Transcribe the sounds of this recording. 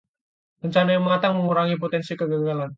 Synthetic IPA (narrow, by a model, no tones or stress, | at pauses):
rəɲt͡ʃanajaŋmat̪aŋməŋuɾaŋip̬ot̪ɛnsikəɡaɡalan